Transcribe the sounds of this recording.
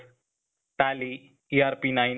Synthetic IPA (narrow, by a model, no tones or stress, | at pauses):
ʈali | iaɾpinajn